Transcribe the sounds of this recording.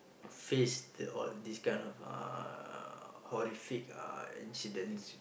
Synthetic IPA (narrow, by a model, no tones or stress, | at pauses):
fesdəɔ̰ldiskãɪ̃nɔfa̰ | hɔɹifika̰ḭ̃nsidə̃ns